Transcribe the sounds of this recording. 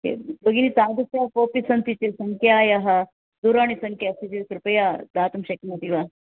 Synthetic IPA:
kḛbɐɡinitaːd̪ɐsjɐpoːpisɐnt̪it͡ʃesɐŋkʰjaːjaɦɐ | d̪uɾaːɳ̃isɐŋkʰjasid͡ʒekɾupɐjad̪aːt̪umʃɐkimɐt̪iʋa

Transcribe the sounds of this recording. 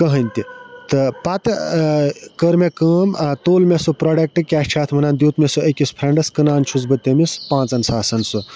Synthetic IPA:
kəɦɐnʲt̪it̪ɨpɐt̪ɨ | kəɾmekəːmt̪oːlmesupɾoɖek̚ʈɨkʲaʃʲt͡ʃʰaːt̪ʰmɐnaːnd̪ʲjuːt̪mesuɐkʲispʰɾeɳɖɐskɐnaːnt͡ʃʰuzbɐt̪ːemispãːt͡sɐnsaːsɐnsu

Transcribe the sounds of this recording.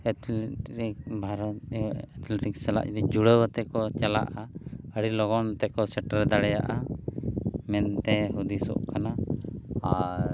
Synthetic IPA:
ɛt̪lɾik̚bʱaɾɔt̪ɛt̪lɛʈiksɛla̰ʔt̪ɛd͡ʒuɽəwət̪ɛkɔt͡ʃala̰ʔaəɽilɔɡɔnt̪ɛkɔsɛʈaɾɛd̪aɽɛja̰ʔa | mɛnt̪ɛɦud̪isɔ̰ʔkana | aɾɾ

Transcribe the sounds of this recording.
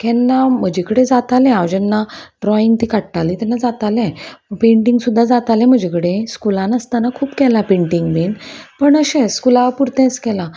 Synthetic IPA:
kɛnːam̤əd͡ʑikəɽed͡zat̪alɛ̃aʋd͡ʑɛnːaɖɾɔiŋɡt̪iːkaʈʈalit̪ɛnːad͡zat̪alɛ̃məɡpẽɳʈiŋɡsud̪ʱːad͡zat̪alɛ̃m̤əd͡ʑekəɽẽskulãnəst̪anakʰuːpkɛlapẽɳʈiŋɡʋenpəɳəɕɛ̃skulaʋpuɾt̪ɛ̃skɛla

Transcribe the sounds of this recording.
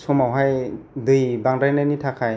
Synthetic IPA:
sɔmawɦajdɯjbaŋdajnajnitʰakʰaj

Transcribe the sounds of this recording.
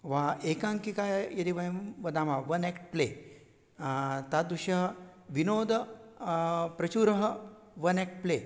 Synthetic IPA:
ʋaekãŋkikajjeɾiʋəʋəd̪ãmaʋɐnekʈ̚ple | t̪ad̪uɕəɦʋinoːd̪ʱə | pɾɐt͡ɕuɾəɦə | ʋɐnek̚ʈ̚ple

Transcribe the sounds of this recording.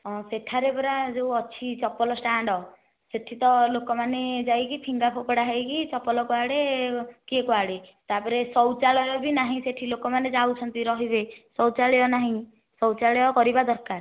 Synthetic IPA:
ɔ̃seʈʰaɾepɔɾad͡ʒeuɔt͡ʃʰit͡ʃɔpːɔlɔsʈaɳɖɔ | seʈʰit̪ɔlokɔmaned͡ʒajkipʰiŋɡapʰopɔɽaɦajkit͡ʃɔpːɔlɔkɔaɽekiekuɦaɽet̪apɔɾesɔwt͡ʃaɭɔjɔbinaɦĩseʈʰilokɔmaned͡ʒawt͡ʃʰɔnt̪iɾɔɦibesɔwt͡ʃaɭɔjɔnaɦĩ | sɔwt͡ʃaɭɔjɔkɔɾibad̪ɔɾkaɾ

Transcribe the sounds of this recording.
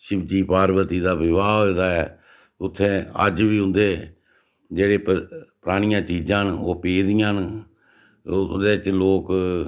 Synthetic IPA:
ʃɪbd͡ʒiːpaːɾbət̪iːd̪aːʋɪʋaːɦod̪aːɛː | ʊt̪ʰːẽːə̰d͡ʒʋiːʊ̃nd̪eː | d͡ʒeːɽeːppɾaːɽ̃ɪjãːt͡ʃiːd͡ʒãːnoːpeːd̪ɪjãːn | d̪eːt͡ʃloːk

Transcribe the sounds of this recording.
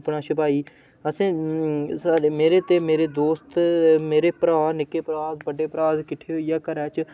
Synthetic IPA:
pɳaːʃəpaːiː | əsẽːsaːɖeːmeːɾeːt̪eːmeːɾeːd̪oːst̪meːɾeːpəɾaːnɪkːeːpɾaːd̪bəɖeːpɾaːzkɪʈʰeːɦoːijaːkəɾɛːt͡ʃ

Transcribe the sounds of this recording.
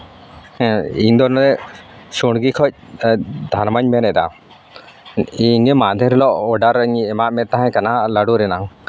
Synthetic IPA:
iɲd̪ɔnɾɛ | suɽɡikʰɔc̚d̪ʱaɾmaɲmɛnɛd̪a̰ | iɲemad̪ʱɛɾɛlɔʔɔɖaɾəɲɛmaʔmɛt̪ːaɦãkanalaɖuɾɛnaŋ

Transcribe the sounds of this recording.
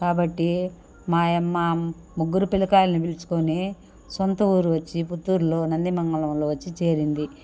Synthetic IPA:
kaːbɐʈːi | maːemːa | muɡːuɾupilukaːlɐnibilt͡ʃu̥koni | sont̪ɐuːɾuʋɐt͡ʃːiput̪ːuɾlo̞ːnɐnd̪imɐŋɡɐlɐmlo̞ːʋɐt͡ʃːit͡ʃeːɾind̪i

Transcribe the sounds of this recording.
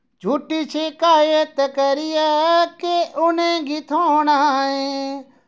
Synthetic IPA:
d͡ʒʱuːʈit͡ʃʰekaːjet̪əkəɾijakeʔʊnẽɡɪt̪ʰõɦnaẽ

